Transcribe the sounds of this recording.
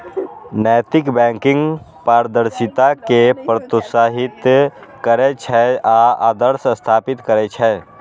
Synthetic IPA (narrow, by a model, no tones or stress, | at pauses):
nɛːt̪ɪkbɛ̃ːŋkɪ̃ŋɡ | paːɾd̪əɾʃɪt̪akepɾət̪ʊsaːɦɪt̪kəɾet͡ʃʰɛaːaːd̪əɾsəst̪ʰaːpɪt̪kəɾet͡ʃʰɛː